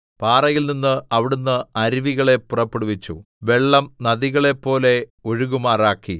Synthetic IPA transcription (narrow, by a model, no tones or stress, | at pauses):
paːrɐjilninːɨʔɐʋiɽunːɨɐɾiʋiɣɐɭe̞purɐpːeɽuʋit͡ɕːṵ | ʋe̞ɭːɐmnɐðiɣɐɭe̞pːo̞ːle̞o̞ɻuɣumaːraːkːi